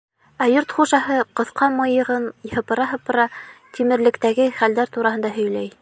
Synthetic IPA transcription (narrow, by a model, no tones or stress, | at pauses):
æjoɾt̪χuʃɑɦɤqɤ̆θqɑmɤ̆jɤ̆ʁɤnhɤ̆pɤ̆ɾɑɦɤ̆pɤ̆ɾɑt̪ʰimɘ̆ɾlɘ̆kt̪æɡɘχæld̪æɾt̪uɾɑɦɤ̆nd̪ɑɦɵ̆jlæj